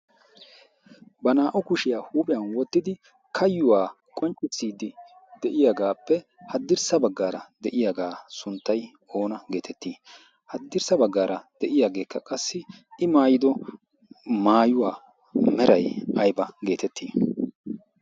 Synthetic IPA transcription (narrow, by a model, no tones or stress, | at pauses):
bɐnaːʔɔkʊʃɪjaːhuːpʼɪjɐnwɔt̪ːɪd̪ɪ | kʰɐjːʊwaː | kʼɔnt͡ʃʼːɪsːiːd̪ɪ | d̪ɛʔɪjaɡaːpːɛhɐd̪ːɪɾsɐbɐɡːaːɾɐd̪ɛʔɪjaɡaːsʊnt̪ːɐj | o̞ːnɐɡe̞ːt̪ʰɛt̪ːiː | hɐd̪ːɪɾsɐbɐɡːaːɾɐd̪̥ɛʔɪjaːɡe̞ːkːɐkʼɐsːɪɪmaːjɪd̪ɔ | maːjʊwaː | mɛɾɐjɐjbɐɡe̞ːt̪ɛt̪ʰːiː